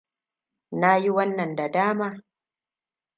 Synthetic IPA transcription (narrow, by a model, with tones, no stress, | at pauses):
na˦ji˦wɐ˦nːɐ˨nda˨daː˦maː˦